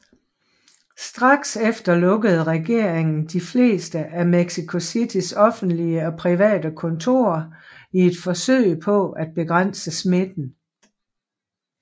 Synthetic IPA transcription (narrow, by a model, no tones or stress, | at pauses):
sd̥ʁɑ̈ɡ̥sefd̥ɐlɔ̽ɡ̥əð̞̩ˠʁɛɡ̥e̝ɐ̰e̝ŋn̩d̥ifle̝̰ːsd̥əʔæmeɡ̥sikʰo̝sid̥ʰisɒ̽fn̩d̥liəɒ̽pʰʁiʋɛ̰ːd̥əkʰɔ̽nt͡sʰo̝̰ːɐie̝d̥fɒ̽sø̰ɪ̰pʰɒ̽æd̥̚b̥e̝ɡ̥ʁɑn̰səsme̝d̥n̩